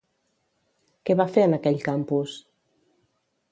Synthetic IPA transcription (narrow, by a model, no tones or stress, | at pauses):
kɛβafeɾnakɛʎkampus